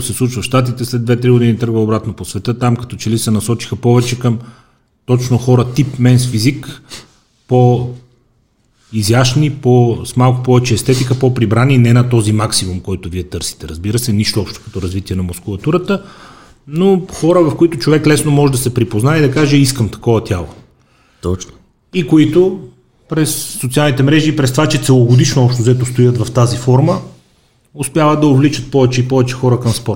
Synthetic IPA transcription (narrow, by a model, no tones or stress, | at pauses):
sɛslˠut͡ʃvɐfʃt̪at̪̬it̪ɛslɛd̪d̪vɛt̪ɾiɡod̪init̪ɤɾɡvəobɾat̪noposvɛt̪ət̪amkɐ̥t̪ɔt͡ʃɛlisɛnɐsɔt͡ʃi̥xəpɔvɛt͡ʃɛkəm | t̪ɔt͡ʃnoxɔɾət̪ipmɛnsfizik | po | izjaʃniposmalˠkʊpɔvɛt͡ʃɛːst̪ɛt̪ikəpopɾibɾaninɛnɐt̪ɔzimaksimumkɔjt̪ʊviɛt̪ɤɾsi̥t̪ɛɾɐzbiɾəsɛniʃt̪oɔpʃt̪o̥kɐ̥t̪ɔɾɐzvit̪iɛnɐmʊskʊlˠɐt̪uɾət̪ə | noxɔɾəvɐfkoit̪ʊt͡ʃovɛklɛsnomɔʒɛd̪ɐsɛpɾipoznaɛid̪ɐkaʒɛiskəmt̪ɐ̥kɔvɐt̪ʲjalˠo̰ | t̪ɔt͡ʃno̥ | ikoit̪ʊ | pɾɛsːot̪sialˠnit̪ɛmɾɛʒiːpɾɛst̪ovat͡ʃɛt̪sɛlˠoɡod̪iʃnoɔpʃt̪ozɛt̪ost̪ojət̪vɐft̪azifɔɾmə | ʊspʲjavəd̪̚d̪ɐovlit͡ʃət̪̚pɔvɛt͡ʃɛipɔvɛt͡ʃɛxɔɾəkɐmspɔɾt̪